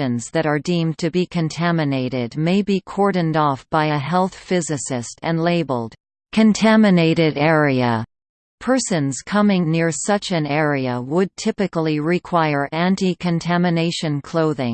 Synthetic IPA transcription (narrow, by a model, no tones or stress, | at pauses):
ɨ̃nzðɨɾə˞dĩmtʰɨbikʰɨ̃ntʰæmɨneɪɾɪd̚meɪbikʰɔɹdⁿn̩dɔfb̥aɪɨɦɛlˠθfɪzɨsɪstɨ̃nleɪbl̩ˠd̥ | kʰɨ̃ntʰæmɨneɪɾɪɾɛɹiə̰ | pʰɜ˞sɨ̃nz̥kʰʌmɪ̃ŋnɪɹsʌt͡ʃɨ̃nɛɹiɨwəd̚tʰɪpɨkl̩ˠiɹɪkʰw̥aɪə˞ʔæ̃ntikʰɨ̃ntʰæmɨneɪʃɨ̃nkʰl̥oʊðɪ̃ŋ